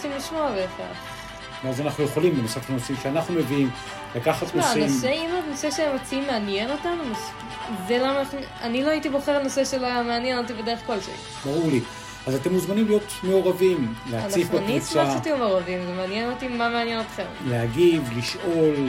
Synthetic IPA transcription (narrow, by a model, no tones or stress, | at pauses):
osimliʃmo̞aveeχea̰ | veazanaχnuje̞χo̞limbenosathanosimʃeanaχnume̞viim | lakaχat̪̚kooanaimseimotno̞seʃeemot͡siimːeanje̞no̞tanuma | zelamanaχnu | aniloaitibo̞χeʁno̞se̞ʃeloajameanjenot̪̬ibedeeχkolʃḛlḭ | baʁuʁli | azatemːuzmanimlijo̞tme̞oʁavimleaant͡saifbaniut͡saaat̪iumeoʁavimzemeanjenot̪imːameanjenot̪χemleaɡivliʃo̞l